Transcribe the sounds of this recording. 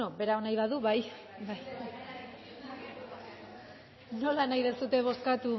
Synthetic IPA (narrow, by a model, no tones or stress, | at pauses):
obe̞ɾaonajβaðuβaj | baj | no̞lanajðesut̪e̞β̞o̞skat̪u